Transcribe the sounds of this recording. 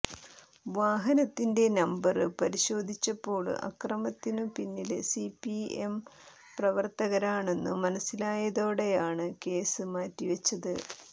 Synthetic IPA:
ʋaːɦɐnɐt̪ːinde̞nɐmbɐrɨpɐɾiɕo̞ːd̪ʱit͡ɕːɐpːo̞ːɭ̰ʔɐ̰krɐmɐt̪ːinɨpinːilsipiḛm | prɐʋɐrt̪ɐɣɐɾaːɳe̞nːṵmɐnɐsːilaːjɐðo̞ːɽe̞jaːɳɨke̞ːsɨmaːtːiʋɐt͡ɕːɐðɨ

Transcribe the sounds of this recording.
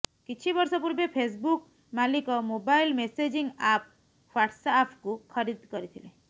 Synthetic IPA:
kit͡ʃʰibɔɾsɔpuɾbepʰes̬buk | malikɔmobailmesed͡ʒiŋɡap̚ | faʈʰsaːpʰkukʰʌɾid̪kɔɾit̪ʰilẽ

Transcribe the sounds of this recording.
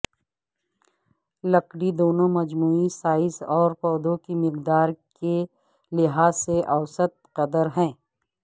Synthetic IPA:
lɐkɽid̪oːnõmɐd͡ʒmuːisaːɪsɔːɾpɔːd̪õkimɪqd̪aːɾke | lɪɦaːsːeʔɐwsət̪̚qɐd̪əɾɦɛ̃ː

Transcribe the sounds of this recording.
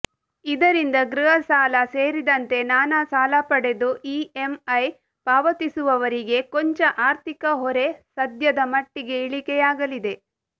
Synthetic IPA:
id̪ɐɾind̪ɐɡɾuɦɐsaːlɐseːɾid̪ɐnt̪e̞naːnasaːlɐpɐɽe̞d̪uʔiːemɐj | paːʋɐt̪isuʋɐʋɐɾiɡe̞koɲt͡ʃɐʔaːɾt̪ikɐɦɔɾe̞sɐd̪jɐd̪ɐmɐʈːiɡe̞iɭikɛjaːɡɐlid̪e̞

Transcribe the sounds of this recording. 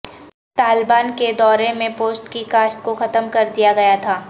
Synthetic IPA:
t̪aːlbaːnked̪ɔːɾemẽpoːst̪kikaːst̪̚koxɐt̪əmkɐɾd̪ijaɡɐjat̪ʰaː

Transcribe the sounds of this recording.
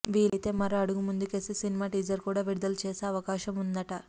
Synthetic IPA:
ʋiːlit̪e̞ːmɐɾoɐɽuɡumund̪ukesisinimaːʈiːd͡ʒɐɾkuːɽaːʋiɽud̪ɐlt͡ʃeːseɐʋɐkaːʃɐmund̪ɐʈɐ

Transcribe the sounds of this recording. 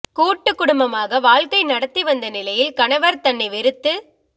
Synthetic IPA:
kuːʈːɯkːʊɽʊmbɐmaːɣɐʋaːɭkɐɪnɐɽɐt̪ːiʋɐnd̪ɐnɪlɐjɪlkɐɳɐʋɐɾt̪ɐɳːɐɪʋɪɾɯt̪ːɯ

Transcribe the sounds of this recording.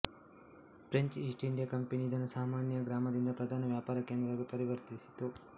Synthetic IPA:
pɾeɲt͡ʃiːsʈiɳɖijakɐmpenid̪ɐnːɐsaːmaːnjɐɡɾaːmɐd̪ind̪ɐpɾɐd̪ʱaːnɐʋjaːpaːɾɐkeːnd̪ɾɐɐɡepɐɾiʋɐɾt̪isi̥t̪u

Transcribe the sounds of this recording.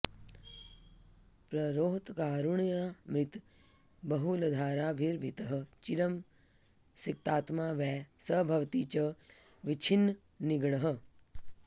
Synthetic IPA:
pɾɐɾoːɦt̪kaːɾuɳijamɾɪt̪ | bəɦulɐd̪ʱaːɾaːbʱiɾbʱit̪əɦə̆t͡ʃiɾəm | sik̚t̪aːt̪maːʋɛːsəbʱɐʋt̪iːt͡ʃəʋit͡ʃʰinː | niɡɳəɦə̆

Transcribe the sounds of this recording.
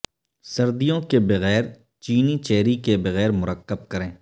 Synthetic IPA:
sɐɾd̪ijõkebɐɣɛːɾ | t͡ʃiːnit͡ʃɛːɾikebɐɣɛːɾmʊɾəkːəb̚kɐɾẽː

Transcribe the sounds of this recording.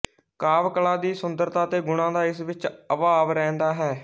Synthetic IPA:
kaːʋkəlaːd̪iːsʊnd̪əɾt̪aːt̪eːɡʊɽãːd̪aːɪsʋɪt͡ʃəʋaːʋɾɛ̃ːnd̪aːɦɛː

